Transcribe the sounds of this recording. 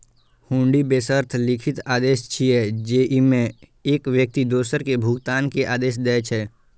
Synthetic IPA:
hũːɳɖibeːsəɾt̪ʰlɪkʰɪt̪aːd̪eːʃt͡ʃʰiɛd͡ʒeːʔimẽeːkʋjək̚t̪id̪oːsəɾkebʱʊɡt̪aːnkeʔaːd̪eːʃ̬d̪ɛːt͡ʃʰɛː

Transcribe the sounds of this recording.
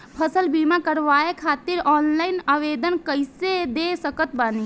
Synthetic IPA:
pʰəsəlbiːmakəɾʋaːekʰaːt̪ɪɾɔːnlaːɪnaːʋeːd̪ənkəɪsed̪eːsəkət̪̚baːni

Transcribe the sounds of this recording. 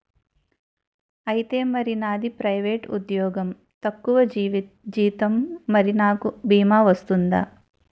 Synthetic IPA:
ɐjit̪e̞ːmɐɾinaːd̪ipɾɐjʋeːʈṵd̪jɔːɡɐm | t̪ɐkːuʋɐd͡ʒʋ | d͡ʒiːt̪ɐmːɐɾinaːkubʱiːmaːʋɐst̪und̪a̰ː

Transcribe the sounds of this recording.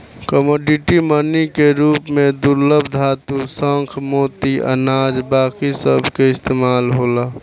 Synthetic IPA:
kəmoːɖiʈimənikeɾuːpmẽd̪uɾləbʱd̪ʱat̪usəŋkʰmoːt̪iʔə̰naːd͡ʒbaːkisəbʱkeɪst̪eːmaːlɦoːla

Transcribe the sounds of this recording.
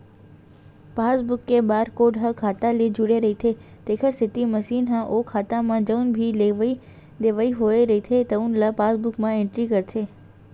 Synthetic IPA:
pasbukːebaɾkoɖɦəkʰat̪aled͡ʒuɽeɾəɦit̪ʰe | t̪ekʰəɾsɪt̪iməʃinɦãʔokʰat̪amãd͡ʒəwnbʱileʋi | d̪eʋaiɦoeɾəit̪ʰet̪əunlapasbukmãẽɳʈɾikəɾt̪ʰe

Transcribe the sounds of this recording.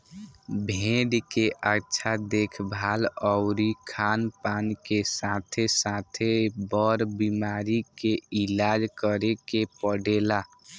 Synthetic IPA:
bʱẽɖkeʔətːʃʰad̪ekʰbʱalɔʊɾikʰanpankesat̪ʰesat̪ʰebəɾbimaɾikeilad͡ʒkəɾekepəɖela

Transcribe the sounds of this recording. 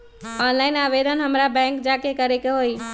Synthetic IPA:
ɔnlaɪnaβed̪ənɦəmɾabɛ̃ŋkd͡ʒakekəɾɛkeɦoj

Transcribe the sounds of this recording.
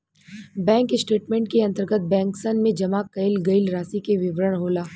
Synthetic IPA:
bɛ̃ːŋksʈeːʈmẽːɳʈ̚keɐ̃nt̪əɾɡət̪̚bɛ̃ːŋksənmẽd͡ʒɐmaːkːɐɪlɡɐɪlɾaːsikeʋɪʋɾəɽ̃ɦoːlaː

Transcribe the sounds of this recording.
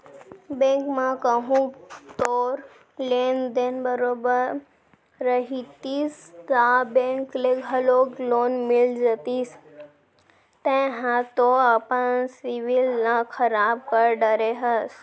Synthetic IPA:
bẽːŋkmãkəɦũt̪oːɾ | lend̪eːnbəɾoːbəɾː | əɦit̪ist̪abẽŋkleɡʱɦəloɡloːnmɪld͡ʒət̪iːs | t̪ɛ̃ɦãt̪oəpənsiʋɪlnãkʰəɾaːb̚kəɾɖəɾeɦəs

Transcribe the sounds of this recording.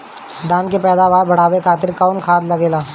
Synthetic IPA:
d̪aːnkepɛːd̪aːʋaːɾbɐɽ̤aːʋekʰaːt̪ɪɾkaʊnkʰaːd̪lɐɡeːlaː

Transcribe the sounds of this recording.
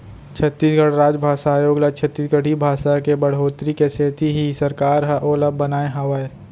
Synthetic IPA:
t͡ʃʰət̪ːiːsɡəɽ̤ɾaːd͡ʒbʱaːʃaːjoːɡlat͡ʃʰət̪ːiːsɡəɽ̤ʱibʱaːʃakebəɽ̤oːt̪ɾikeseːt̪iɦisəɾkaːɾɦɛʔoːləbənaːeɦɐʋəe

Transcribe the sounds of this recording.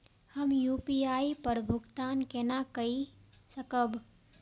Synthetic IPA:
həmjuːpiaːipəɾbʱʊɡt̪aːnkenakəi | səkəb

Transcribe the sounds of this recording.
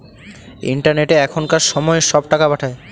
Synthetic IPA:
ḭɳʈaɾneʈeɛkʰonkaɾʃɔmɔeʃɔbʈakabaʈʰae

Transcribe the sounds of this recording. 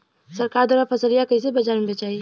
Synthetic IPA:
sɐɾkaːɾd̪waːɾapʰɐsəlijakəis̬ebɐd͡ʒanbet͡ʃaːɦi

